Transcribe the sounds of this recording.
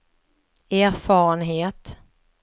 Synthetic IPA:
æːɾfɑːɾənɦeːt̪

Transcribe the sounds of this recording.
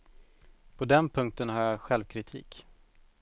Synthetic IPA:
pʰɔd̪ɛnpʰɵŋk̚t̪ənhaɾjaɧɛlvkʰɾɪt̪ʰḭːk

